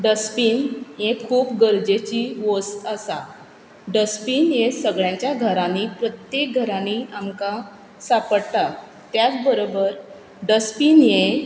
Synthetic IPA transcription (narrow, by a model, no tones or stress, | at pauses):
ɖəspiːnjẽkʰuːpɡəɾd͡ʑet͡ɕiʋost̪əsa | ɖəspiːnjesəɡɭjãɲt͡ɕjaɡʱəɾãnipɾət̪jek̚ɡʱəɾãniamka | sapəɽt̪a | t̪jat͡sbəɾobəɾ | ɖəspiːnjẽ